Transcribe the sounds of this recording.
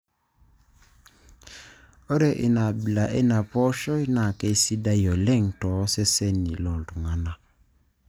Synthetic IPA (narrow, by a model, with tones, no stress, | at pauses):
o˦ɾe˨ʔḭ˨na˨bi˨la˨ʔe˦na˨pɔ˦ʃɔ˦i˦na˨ke˦si˦da˦jɔ˨lɛ˦˨ŋ˨tɔ˨˦sɛ˦sɛ˦ni˨lɔ˨ltu˨ŋa˨na˨